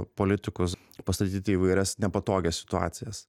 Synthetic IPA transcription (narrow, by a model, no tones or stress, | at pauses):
poːlʲɪt̪ʲɪkʊs | pɐst̪ɐt̪ʲiːt̪ʲɪiʋɐɪɾʲɛsnʲɛpɐt̪oːɡʲɛssʲɪ̥t̪ʊɑ̰ːt̪sʲɪjɛs